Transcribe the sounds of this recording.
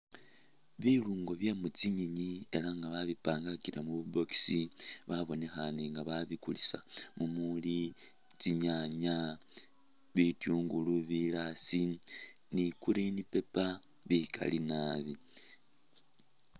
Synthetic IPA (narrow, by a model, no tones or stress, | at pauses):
βiluːŋɡo̞βjamut͡siɲiɲie̞laŋɡaβaβipaːŋɡakiɾʔamuβubo̞ki̥siβaβo̞ne̞xaniŋɡaβaβikulisamumuli | t͡siɲaɲa | βituːŋɡuluβilasi | nikuɾinipe̞pa | βikʰa̰linaβi